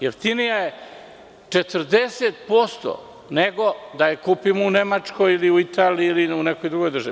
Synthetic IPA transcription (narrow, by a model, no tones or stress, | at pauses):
jeft̪inijaje | t͡ʂet̪ər̩d̪eset̪po̞st̪o̰ | neɡo̞d̪ajekupimounemat͡ʂkojiliuit̪aːliiːliuneko̞jd̪ɾuɡojd̪r̩ʒa